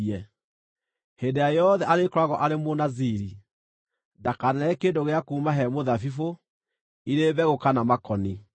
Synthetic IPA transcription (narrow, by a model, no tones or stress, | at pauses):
ɛ | hendeajɔðɛʔaɾekɾwaɣɔʔaɾemonaziɾi | dakanaɾɛkeːndoɣeakuːmaɦɛmoðafifo | iɾeːβɛɣokanamakɔni